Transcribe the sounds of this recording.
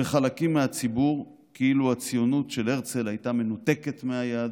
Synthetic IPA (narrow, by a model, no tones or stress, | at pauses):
eχalakimːeat͡sibuʁ | kiiluat͡sijonutʃe̞leʁt͡se̞lajtame̞nut̪e̞ke̞t̪meajad̪